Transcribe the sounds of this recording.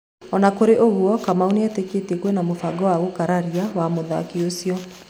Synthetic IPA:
ɔnakoɾeʔoɣuɔkamauniɛteketekwɛnamofaɡɔwaɣokaɾaɾiawamoða̰kiosiɔ

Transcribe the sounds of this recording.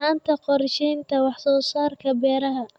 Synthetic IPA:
haːnt̪ʰɐqɔɾʃɛjnt̪ʰɐwɑħsɔːsaːrkʰɐbɛːɾɐɦɐ

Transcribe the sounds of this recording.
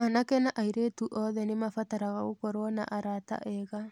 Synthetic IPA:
anakɛnaʔaiɾetuʔɔðɛnemafataɾaɣaɣokɔɾwɔna̰ʔaɾata̰ʔɛɣa

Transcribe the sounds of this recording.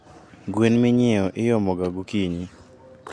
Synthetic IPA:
ɡwenmɪɲeɔʔɪjɔmɔɡaɡukiɲi

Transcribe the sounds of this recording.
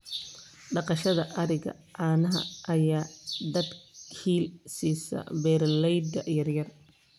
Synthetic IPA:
ɖɑqɑʃɐðɐʔɐɾɪɣɐ̰ | ʕɑːnɐɦɐ̰ʔɐjaːd̪ɐd̪kʰiːlsiːsɐ̰bɛːrlɛjd̪ɐjɐrjɐr

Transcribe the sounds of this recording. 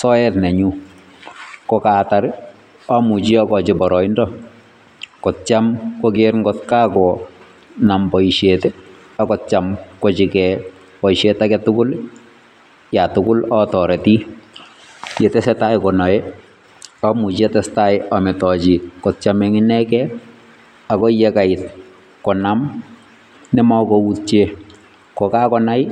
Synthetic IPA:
sɔjɛtnɛɲu | kɔkataɾ | ɔmut͡ʃiɔkɔt͡ʃɪbɔɾɔindɔ | kɔt̚t͡ʃamkɔkeɾŋɡɔtkaːkɔ | nambɔiʃetɛ | akɔtt͡ʃamkɔt͡ʃikɛ | pɔiʃetakɛtʊkʊl | jatʊkʊlɔtɔɾɛti | jɛtɛsɛtaɪkɔnɔɛ | amut͡ʃetɛstaɪamɛtɔt͡ʃikɔtt͡ʃamɛŋinɛkɛ | akɔjɛkaɪt̚ | kɔnam | nɛmakɔutt͡ʃe | kɔkakɔnaɪ

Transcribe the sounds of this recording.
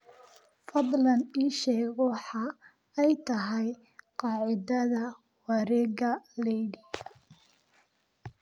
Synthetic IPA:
fɑðˤlɐniːʃɛːɣɔħɑ | ɛjt̪ʰɐɦɛj | qɑːʕɪðɐðɐ | wɐɾɛːɣɐlɛjdi

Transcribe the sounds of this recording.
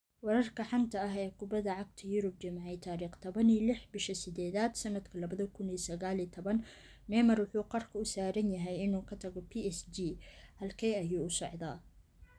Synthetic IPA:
wɑɾɐrkʰɐħɑnt̪ʰɐɐɦɛːkʰʊbɐðɐʕɑɡ̚t̪ʰɐjʊɾʊb̚t͡ʃɐmʕɛjt̪ʰaːɾiːχt̪ʰɐβɐniːlɪħbɪʃɐsɪd̪ɛːðaːd̪sɐnɐd̪kʰɐlɐβɐðɐkʰʊniːsɐɣaːlit̪ʰɔβɐn | mɛːmɐrwʊħuːqɔrkʰɐʊsaːɾɐnjɐɦɛjɪnuːkʰɐt̪ʰɐɣɔpʰiɛsd͡ʒiːhɐlkʰɛjɐjuːʊsɑʕðaː

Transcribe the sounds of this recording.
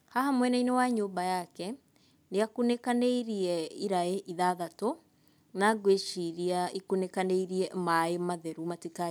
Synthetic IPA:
hahamwɛnainewaɲoːmbajakɛ | neakunekaneiɾiɛiɾaeʔiðaðato | naɡweʃiɾiaikunekaneiɾiɛmaemaðɛɾumatika

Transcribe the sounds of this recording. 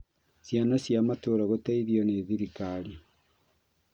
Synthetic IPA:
sjanasjamatoːɾaɣotaiðijɔneːðiɾikaɾi

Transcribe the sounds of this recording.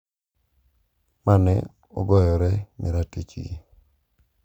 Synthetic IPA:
manɛ | ɔɡɔjɔɾɛmɪɾatet͡ʃḭ

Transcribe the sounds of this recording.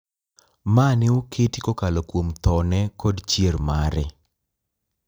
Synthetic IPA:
manɪokʰetikɔkalɔkwomt̪ɔnɛkɔdt͡ʃjermaɾɪ̰

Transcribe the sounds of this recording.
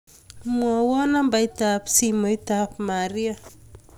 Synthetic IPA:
mwɔwɔnambajt̪apsimojt̪apmaɾia

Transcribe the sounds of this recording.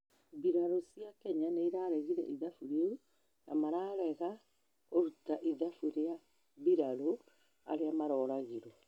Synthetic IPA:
biɾaɾosiakɛɲanaiɾaɾɛɣiɾɛ̰ʔiðafuɾeu | na̰maɾaːɾɛɣa | oɾutaʔiðafuɾea | βiɾaɾo | a̰ɾeamaɾɔːɾaɣeɾɔ

